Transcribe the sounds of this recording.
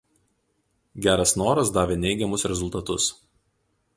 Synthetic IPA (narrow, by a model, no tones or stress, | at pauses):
ɡʲæːɾɐsnoːɾɐsd̪ɑːʋʲeːnʲɛɪɡʲɛmʊsɾʲɛzʊlˠt̪ɐt̪ʊs